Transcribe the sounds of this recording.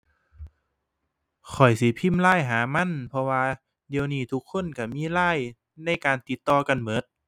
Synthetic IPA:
kʰɔ˨˩jsi˨˦pʰi˧˥˨mlaː˧˥˨jɦaː˨˦ma˧˥˨npʰɔ˧waː˧ | di˨˧əwniː˧˩t̪ʰu˧˦kʰːo˧˥˨nka˧˩miː˧˥˨laː˧˥˩j | na˧˥˩jkaː˨nt̪i˧˦t̪ːɔː˧ka˧˨nmɤ˨˦t̪̚

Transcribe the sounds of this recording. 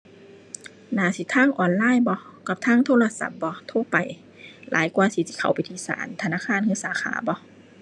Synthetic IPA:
naː˨˦si˧˦t̪ʰaː˧˥˨ŋʔɔː˨nlaː˧˥˨jbɔ˧ka˧˦p̚t̪ʰaː˧˥˨ŋt̪ʰoː˧˥˨la˧sa̰˧˦p̚bɔ˧˦t̪ʰo˧˨pa˨˩j | la̰ː˨˦jkuaː˧si˧˦si˧˦kʰa˨˩wpa˨jt̪ʰiː˧˨sa̰ː˨˦nt̪ʰa˧naː˧˥˨kʰaː˧˥˨nkʰɯː˧˥˨saː˨˦xʰa̰ː˩˦bɔ˧˦

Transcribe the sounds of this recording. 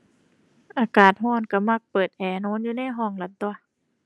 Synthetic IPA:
ʔaː˨˧kaː˨˩t̪̚hɔː˧˥˩nka˧˩ma˧˥˩k̚pɤː˨˩t̪̚ʔɛː˨˩noː˧˥˨njuː˧na˧˥˨jɦɔː˧˩˨ŋla˧˦t̪̚d̪u˧a˧˨

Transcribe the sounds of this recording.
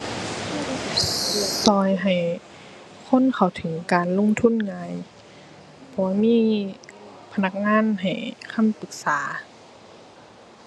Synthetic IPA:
ɯ˧˩k̚sɔː˧˦jɦa˨˩j | kʰo˧˥˨nkʰa˨˩wt̪ʰɯ˨˦ŋkaː˨nlo˧˥˨ŋt̪ʰu˧˥˨nŋaː˨˧˦j | pʰɔ˧˩waː˧˥˨miː˧˥ | pʰa˧na˧˥k̚ŋaː˧˥˨nɦa˨˩jkʰa˧˥˨mpɯ˨˦k̚saː˨˦

